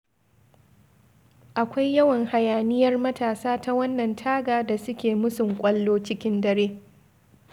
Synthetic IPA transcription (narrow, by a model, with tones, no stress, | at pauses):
ʔa˨kʷa˦jːɐ˦wɐ˨ŋha˨jaː˨nɪ˦jɐ˦rmɐ˦taː˨saː˦ta˦wɐ˦nːɐ˨ntʰaː˦ɡaː˨da˨sʊ˦kʲeː˨mʊ˦sʊ˨ŋkʷʼɐ˦lːoː˦t͡ʃɪ˦kʲɪ˦ndɐ˦ɾeː˦